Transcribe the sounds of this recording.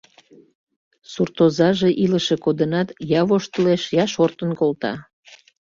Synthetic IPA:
surt̪ozɑʒeʔiləʃe̽kod̪ənɑt̪jɑβoʃt̪əleʃjɑʃort̪ənkolt̪ɑ̰

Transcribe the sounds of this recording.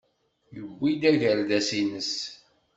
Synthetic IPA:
jəbʷːid̪æʝəɾd̪æsinəs

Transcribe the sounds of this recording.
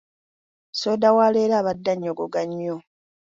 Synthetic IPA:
soːdawaːleːɾaːβadːaɲːoɡoɡaɲːo

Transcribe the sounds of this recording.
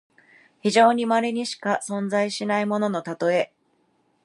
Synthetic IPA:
çiʑo̞ːɲ̟imaɾeɲ̟iɕi̥kasõ̞nd͡zaiɕinaimo̞no̞no̞t̪at̪o̞e̞

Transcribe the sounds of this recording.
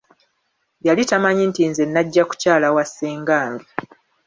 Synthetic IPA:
jalitamaɲintinzenːaɟːaku̥caːlawasːeːŋɡaːmbi

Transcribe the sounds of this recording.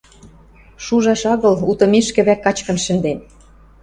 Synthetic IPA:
ʃuʒɑʃɑɣɤ̆lut̪ɤ̆miʃkɘ̆βækːɑt͡ɕkɤ̆nʃɘ̆nd̪en

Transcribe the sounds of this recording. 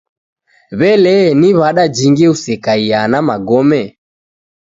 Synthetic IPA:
βɛlɛniβaɗad͡ʒiŋɡiusɛkaianamaɡɔmɛ

